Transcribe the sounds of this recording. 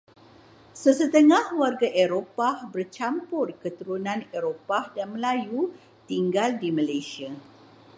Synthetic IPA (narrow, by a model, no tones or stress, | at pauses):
səsət̪əŋãhwarɡaʔeɾopahbərt͡ʃampʊrkət̪uɾunãneɾopahdanməlaju | t̪iŋɡaldiməlajsia